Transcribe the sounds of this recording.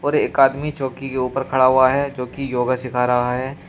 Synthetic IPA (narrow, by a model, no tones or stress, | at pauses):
ɔːɾeːkaːd̪mit͡ʃɔːkikeuːpəɾkʰɐɽaɦʊaɦɛd͡ʒoːkijoːɡasɪkʰaɾɐɦaɦɛː